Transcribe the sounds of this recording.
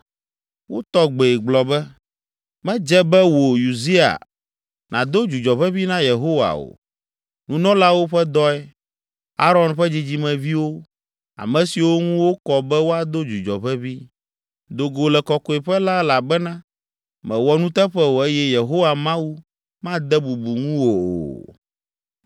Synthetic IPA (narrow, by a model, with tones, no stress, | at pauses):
wo˦t̪ɔ˦ɡ͡be˨ɡ͡blɔ˨bɛ˦ | mɛ̃˦d͡ʒɛ˦bɛ˦wo˨ju˨zi˦a̰˨ | nʔã̰˨d̪o˦d͡ʒu˨d͡ʒɔ˨ɸɛ˦βi˦nã˦je˨ɦo˦wa̰˨o̰˨ | nũ˦nɔ̃˦la˦wo˦ɸɛ˦d̪ɔ˦ɛ˦ | a˦ɾɔ˦nɸɛ˦d͡ʑi˦d͡ʑi˦mɛ̃˨vi˦wo˦ | a̰˨mɛ̃˨si˨wo˦ŋũ˦wo˦kɔ˨bɛ˦wo˦a˨d̪o˦d͡ʒu˨d͡ʒɔ˨ɸɛ˦vi˦ | d̪o˨ɡo˨lɛ˨kɔ˨kɔ˦ɛ˨ɸɛ˦la˦la˨bɛ˦nã˦ | mɛ̃˨wɔ˨nũ˦t̪ɛ˦ɸɛ˦wo˨e˦jɛ˦je˨ɦo˦wa˨mã˦wu˦ | mã˦d̪ɛ˦bu˨bu˨ŋũ˦wo˨o̰˨